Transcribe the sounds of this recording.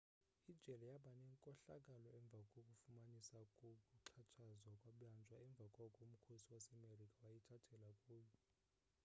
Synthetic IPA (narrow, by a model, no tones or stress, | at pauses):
id̥ʒ̥ʱɛlɛjaɓanɛŋkʼɔɬakʼalɔɛɱb̪vʱakʼokʼufumanisakʼokʼuǁʰat͡ʃʰazwakʼwaɓjand͡ʒʱʼwaɛɱb̪vʱakʼɔkʼom̩kʰosiwasɛmerikʼawajitʰatʰɛlakʼuːjɔ